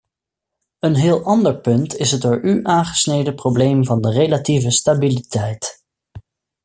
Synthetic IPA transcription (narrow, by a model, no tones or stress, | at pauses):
ənɦɪːlˠɑndəɹpɵntʰɪsɦət̚dʊːɹʔyʔaːnχə̥snejdəprowblejmvɑndərelativəstabilitɛjt